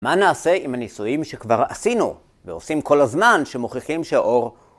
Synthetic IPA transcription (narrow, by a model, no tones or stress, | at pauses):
manaːse̞imhanisujimʃekvaʁa̰sinṵ | veo̞simko̞lazmanʃemoχeχimʃeʔo̞ʁ